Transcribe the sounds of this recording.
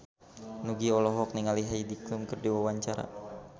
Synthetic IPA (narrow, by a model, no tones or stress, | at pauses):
nuɡiɔlɔɦɔk̚niŋaliɦaidiklumkərdiwawaɲt͡ʃaɾa̰